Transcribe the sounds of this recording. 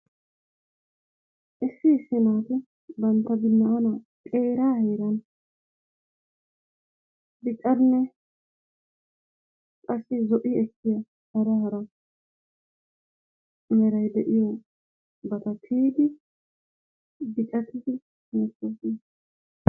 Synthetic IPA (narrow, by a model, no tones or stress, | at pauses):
ʔɪsːɪːsːɪnaːt̪ɪ | bɐnt̪ːɐbɪnːɐɐna | kʼeːɾaːheːɾɐn | bɪkʼːɐd̪nɛ | kʼɐsːɪzɔʔɪɛkːɪjɐ | hɐɾɐɦɐɾɐ | ɛɾɐjd̪ɛʔɪjɔ | bɐt̪ɐt̪ʰiːd̪ɪ | bɪkʼɐt̪ɪd̪ɪ | mɛtːosɪ